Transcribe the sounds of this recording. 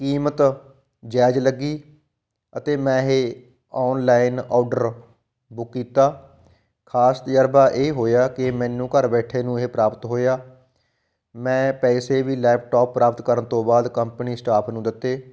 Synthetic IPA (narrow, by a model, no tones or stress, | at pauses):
kiːmət̪ | d͡ʒɛːd͡ʒləɡːiː | ət̪eːmɛ̃ːɦeː | ɔːnlaːɪnɔːɖəɾ | bʊkːiːt̪aː | kʰaːst̪jaːɾbaːʔeːɦoːjaːkɪmɛ̃ːnũːkəɾbɛːʈʰeːnũːɦeːpɾaːpət̪ɦoːjaː | mɛ̃ːpɛːseːʋiːlɛːp̚ʈoːpːɾaːpət̪kəɾənt̪õːbaːd̪kəmpniːsʈaːpʰnũːd̪ɪt̪ːeː